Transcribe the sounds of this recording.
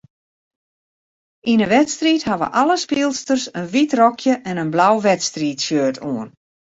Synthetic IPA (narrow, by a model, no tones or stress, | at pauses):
ʔinəʋɛtstriːthaʋə̰ʔaləspilˠstərsənʋitrɔkʰjəʔɛnənblawʋɛtstriːtsjøːtʰoən